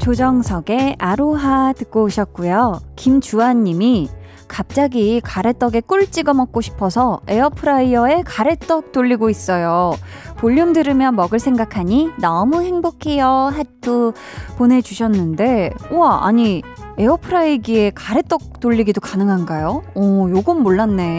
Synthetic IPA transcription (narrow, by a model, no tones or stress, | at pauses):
t͡ɕod͡ʑʌŋsʰʌɡe̞aɾoɦatɯk̚k͈oːɕʰʌt̚k͈ujokimt͡ɕuaɲːimi | kap̚t͡ɕ͈aɡikaɾe̞t͈ʌɡe̞k͈uɭt͡ɕ͈iɡʌmʌk̚k͈oɕʰi̥pʰʌsʰʌe̞ʌpʰɯɾaiʌe̞kaɾe̞t͈ʌk̚t͈oʎːiɡois͈ʌjopoʎːumdɯɾɯmjʌnmʌɡɯɭsʰe̞ŋɡakʰaɲinʌmuhe̞ŋbokʰejʌɦat͈o | pone̞d͡ʑuɕʰʌnːɯnde̞oaa̰ɲi | eʌpʰɯɾaiɡie̞kaɾe̞t͈ʌk̚t͈oʎːiɡidokanɯŋɦanɡajoʌjoɡɯmːoɭːanːe̞